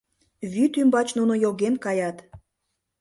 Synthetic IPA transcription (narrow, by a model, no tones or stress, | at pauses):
βyt̪ymbɑt͡ɕnunojoɣenkɑjɑt̪